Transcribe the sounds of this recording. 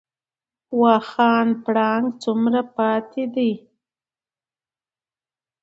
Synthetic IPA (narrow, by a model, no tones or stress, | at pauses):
wɑxɑːnpɽɑŋɡt͡sumɾapɑt̪ʰed̪ij